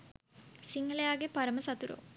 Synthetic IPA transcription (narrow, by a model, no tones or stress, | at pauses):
siŋɡɐlɐjaːɡepɐɾɐmɐsɐt̪uɾo̰ː